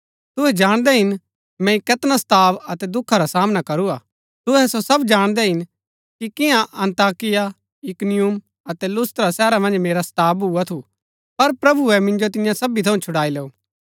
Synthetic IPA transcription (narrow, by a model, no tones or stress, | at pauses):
t̪ʊɦɛd͡ʒaːɽ̃d̪ɛɦɪn | mɛ̃ɪkɛt̪nast̪aːbɐt̪ɛd̪ʊkʰːaɾasaːmnakɐɾua̰ː | t̪ʊɦɛsosɐbd͡ʒaːɽ̃d̪ɛɦɪn | kikɪ̃ãʔɐ̃nt̪aːkɪja | ɪknɪjum | ɐt̪ɛlʊst̪ɾasɛːɾamɐ̃nd͡ʒmeːɾast̪aːbɦuat̪ʰu | pɐɾpɾɐbuɛmɪ̃nd͡ʒot̪̬ɪjãsɐbit̪ʰɐũt͡ʃʰʊɽaːileːuː